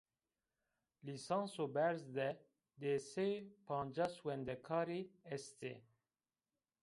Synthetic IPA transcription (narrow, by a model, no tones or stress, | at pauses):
lisɑ̃nsobɛɾzd̪ɛ | d̪esepʰɑ̃ːnd͡ʒaswɛnd̪ɛkʰɑːɾiɛst̪ḛ